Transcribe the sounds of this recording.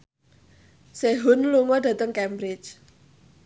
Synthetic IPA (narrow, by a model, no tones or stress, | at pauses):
seɦʊnluŋɔda̤t̪əŋkɛmbɾɪt͡ʃ